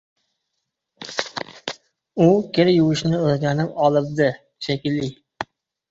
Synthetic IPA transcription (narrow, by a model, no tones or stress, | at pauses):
ʊkʲʰeɾjʊwɪʃnɪɵzɡʲanɪpɒlˠɪp̚d̪ɪ | ʃekʲɪlːɪ